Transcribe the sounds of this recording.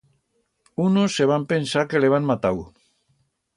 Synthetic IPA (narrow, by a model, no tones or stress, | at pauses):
unosːeβ̞ampensaɾkeleβ̞aŋmat̪aw